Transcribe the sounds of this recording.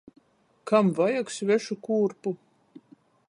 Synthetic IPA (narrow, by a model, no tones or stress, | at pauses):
kamvajaksvʲɛʃukuːɾpu